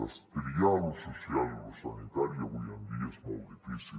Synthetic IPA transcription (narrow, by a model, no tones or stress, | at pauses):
a̰st̪eɾjalososjaloosanit̪aɾjaɣujand̪iasmawd̪ifisi